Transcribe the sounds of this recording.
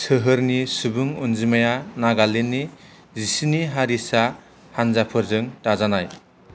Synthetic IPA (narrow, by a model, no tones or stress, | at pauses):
sɯɦɯɾnisubuŋunzimajanaɡalenːi | zisiniɦaɾisa | hanzapʰɯɾzɯŋtazanaj